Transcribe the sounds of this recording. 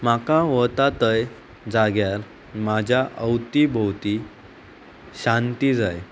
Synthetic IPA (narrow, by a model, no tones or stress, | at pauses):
makaʋət̪at̪əj | d͡zaɡjaɾ | mad͡ʑʱjaʔəwt̪ibəwt̪i | ɕant̪id͡zaj